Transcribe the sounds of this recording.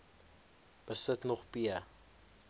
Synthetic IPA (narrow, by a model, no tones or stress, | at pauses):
b̥əsətnɔχpiə